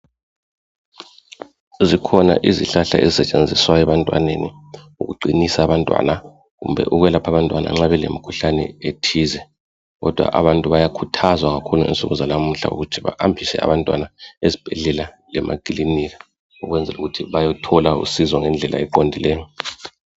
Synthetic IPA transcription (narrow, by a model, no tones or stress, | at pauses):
zikʰɔna̰ʔiziɬaɬa̰ḛzisɛt͡ʃʼend͡zʱiswajɛβantʼwa̰neni | uɣuǃʱinisaːβantʼwa̰na | ɣumbʱɛ̰ʔuɣwɛlapʰaβantʼwana̰ŋ͡ǁaβɛlḛmikʰuɬanɛ̰etʰizɛ | ɣɔ̰d̥ʱwa̰ʔa̰βantʼuβajakʰutʰazwaɣakʰuluḭnt͡sʼuɣuzalam̩ɬa̰ṵɣutʰiβa̰ʔambʰʱisɛ̰a̰βantʼwa̰naezib̥ʱɛɮɛlalɛmʔa̰kʼiliniɣa | uɣwɛnd͡zʱɛ̰luɣutʰiβajɔtʰɔlaṵsizɔŋɛnd͡ɮʱɛlʔa̰ɛǃondʱilɛːjɔ